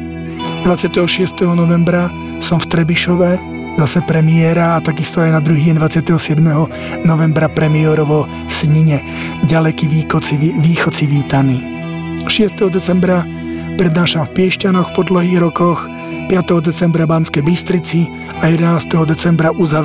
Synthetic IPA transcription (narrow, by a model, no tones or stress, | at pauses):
d̪ʋat͡sɪat̪ɛɦɔʃɪɛst̪ɛɦɔnɔʋɛmbɾa | sɔmft̪ɾɛbiʃɔʋɛ | zasɛpɾɛmɪɛːɾaːt̪aɡist̪ɔajnad̪ɾuɦiɛnd̪ʋat͡sɪat̪ɛɦɔsɪɛd̪mɛɦɔ | nɔʋɛmbɾapɾɛmiɛɾɔʋɔ | sɲiɲɛ | ɟalɛkiʋiɔiʋiːxɔt͡siʋiːt̪aniː | ʃɪɛst̪ɛɦɔd̪ɛt͡sɛmbɾa | pɾɛd̪naːʃamfpɪɛʃcanɔxpɔd̪lɔɦiːɣɾɔkɔx | pɪat̪ɛɦɔd̪ɛt͡sɛmbɾabanskɛjbist̪ɾit͡si | ajɛd̪ɛnaːst̪ɛɦɔd̪ɛt͡sɛmbɾaʔuza